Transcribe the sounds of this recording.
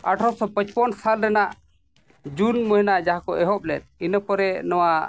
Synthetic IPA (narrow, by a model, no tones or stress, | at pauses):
aʈʰɔsɔpət͡ʃpɔnsalɾɛnaʔ | d͡ʒunmɔɦinad͡ʒaɦakɔʔɛɦɔp̚lɛt̪̚inəpɔɾɛnɔwa